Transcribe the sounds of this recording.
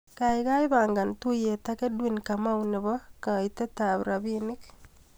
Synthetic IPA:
ka˨jka˦jba˨ŋɡa˨ntu˦je˨ta˦ke˦dwi˦˨nka˨ma˦wnɪ˨bɔ˦ka˨ite˦ta˨βɾa˨bi˦nɪ˦k

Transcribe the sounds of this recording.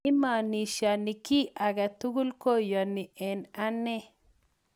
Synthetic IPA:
ma˨ni˨ʃa˨ni˨ki˦ʔa˨ɡa˨t̪u˦ɡu˦lko˦ja˨ni˨ʔɛ˨na˦nɛ˦

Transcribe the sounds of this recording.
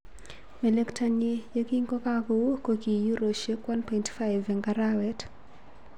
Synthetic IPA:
mɛ˨le˦ktʰa˦ɲi˦je˦ki˦ŋko˦ka˦kowo˦koki˨ju˦ɾo˨ʃe˦kwa˦npɔjntfa˦jvɛŋɡa˦ɾawɛt

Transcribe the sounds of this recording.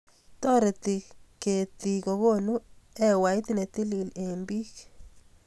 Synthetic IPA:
t̪ɔ˦ɾe˨t̪i˨ke˨t̪i˨ko˨ɣo˦nu˦ɛ˦wa˨i˦t̪i˦ne˨t̪i˦li˨le˨mbi˦k

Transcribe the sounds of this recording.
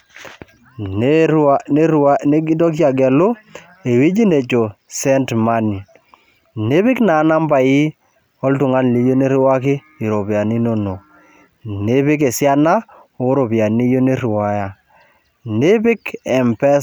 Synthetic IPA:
n | ne˦ɾane˦ɡi˦dɔ˦k̬ja˨ɡɛ˨lʊ˦ | e˨wi˦d͡ʒi˦ne˨t͡ʃo˨ | sɛ˦ntma˦ni˨ | ne˦bɪ˦kna˨˦na˦mba˨i˦ | ɔ˦ltʊ˨ŋa˦n˨li˨˦jo˦ne˦ɾwa˦kɪ˦ | i˨ɾo˨ba˨ni˦no˦no˨ | ne˦bɪ˦ke˨sja˦na˦ | o˨˦ɾo˨bja˨ni˦jo˦ne˦ɾwa˦ja˦˨ | ne˦bɪ˦kɛ˨mpɛ˦

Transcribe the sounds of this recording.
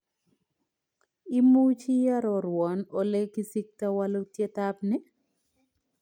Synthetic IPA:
ɪ˦mu˦t͡ʃi˦ja˦ɾɔ˨ɾwɔ˨no˨le˦ki˦si˦k̚tawa˦lo˦tje˦tap̚nɪ˦

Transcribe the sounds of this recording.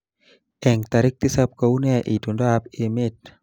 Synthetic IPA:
ɛ˨ŋt̪a˨ɾɪ˦k̚t̪i˦sa˦p̚ko˨u˦nɛ˦ʔi˨tu˨ndo˦a˦pe˨mɪ˦t̚

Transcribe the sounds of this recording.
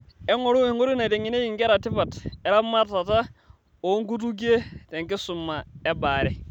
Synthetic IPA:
e˦ŋo˨ɾu˦i˨ŋɡu˦ɾi˦na˨de˨ŋi˨ne˦ji˨ŋɡe˦ɾa˨ti˦fa˨te˨˦ɾa˦ma˦ta˨ta˦ | o˨˦ŋ˦ɡu˦tu˦ɡ̬i˦e˦te˨ŋki˦su˨mːa˨e˦ba˨ɾɛ˦

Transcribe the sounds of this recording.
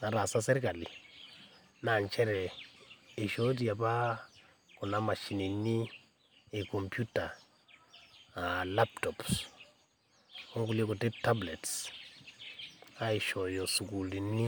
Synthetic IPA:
na˨ɾa˨sa˦se˦ɾka˨lḭ˨ | na˨nt͡ʃɛ˦ɾɛː˨ | ʃo˦di˨ja˨pa˦ | ku˨na˦ma˨ʃi˨ni˨nːi˦ | e˨ko˨mpju˦ta˨ | la˦p̚tɔ˨ps | u˦ŋɡu˨le˦ku˨te˦p̚ta˦ble˨ts | a˦i˨ʃo˨jo˨su˨ku˨ldi˨nːi˦

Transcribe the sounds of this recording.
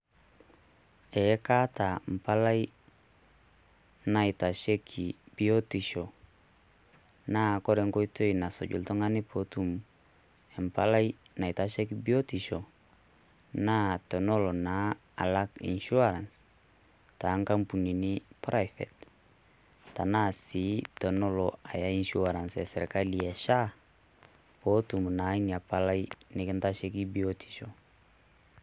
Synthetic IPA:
ɛ˨˦ka˦ta˨m̩˨pa˦la˦j | na˨jta˨ʃe˦kʰi˨b̥i˦o˦ti˨ʃo˨ | na˦kɔ˦ɾɛ˨ŋko˦i˦to˦jna˨so̰˨ɟṵ˨ltɔ˦ŋa˦ni˦po˨tu˦˨m | ɛ˨mpa˦la˦jna˨i˨ta˨˦ʃe˦kibi˦o˦ti˨ʃo˨ | na˦tɔ˨no˦lo˨na˦ | a̰˨la˦kḭ˨nʃu˦aɾa˨ns | ta˨˦ŋka˦mpu˨ni˨nɪ˦pɾajfɛ̰˨t | ta˨na˦si˨˦tɔ˨nɔ˦lɔa˨ja˦i˦nʃu˦aɾa˨nsɛ˨sɛ̰ɾka˦lia˨ʃa˦ | po˦tu˨mna˨˦nia˨pala˦jnɪkɪ˦nta˦ʃɛ˦ki˦biotʰi̥˨ʃo

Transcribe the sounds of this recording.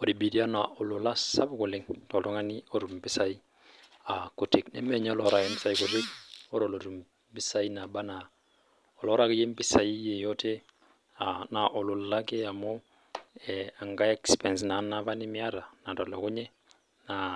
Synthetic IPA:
o˨ɾi˨bi˨di˦a˦na˨ʔo˨lʊ˨la˦sa˦bko˨lɪ˦ŋtɔ˨lɔ˦ŋa˦ni˦o˦ɾu˨mbɪ˦sa˦i˦ | a˨ko˨te˦knɛ̰˦mɛ˨ɲ˦ɔ˦lɔ˦ɾa˨ke˦mbɪ˦sa˦iko˨te˦k̚ɔ˦ɾo˨lo˨ɾu˨m | bi˦sa˦i˦na˨ba˦na˨ | ɔ˨lɔ˦ɾa˦ke˦je˦m˦bɪ˦sa˨i˦je˨jɔ˦te˦ | ana˨ʔo˨lʊ˨la˦ke˦a˨mɔ˦ | ɛa˨ŋɡa˦ɛ˦kspɛ˨ns̬na˨˦na˦βa˦nɪ˦mɪ˦a˦ɾa˨na˨tɔ˨lɔ˨kʊ˦ɲɛ˦ | na˨

